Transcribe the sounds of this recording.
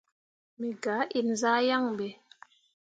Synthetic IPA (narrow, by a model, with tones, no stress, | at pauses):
mi˨ɡa˨˦ʔi˨nza˦ja˦˨ŋbe˨